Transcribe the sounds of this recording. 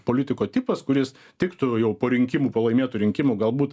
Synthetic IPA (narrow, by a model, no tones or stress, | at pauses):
poːlʲɪt̪ʲɪkoːt̪ʲɪpɐskʊɾʲɪs | t̪ʲɪkt̪ʊjɛʊpoːɾʲɪŋʲkʲɪmuːpɐlˠɐɪmʲeːt̪ʊɾʲɪŋʲkʲɪmuːɡɐlˠbuːt̪